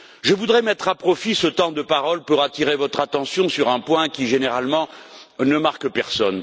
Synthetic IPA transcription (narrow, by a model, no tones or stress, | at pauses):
ʒəvud̪ʁɛmɛt̪χapχɔfisət̪ɑ̃d̪əpaʁɔlpuʁat̪iʁevɔt̪χat̪ɑ̃sjɔ̃syʁɛ̃pwɛ̃kʲiʒeneʁalmɑ̃nəmaʁkpɛʁsɔn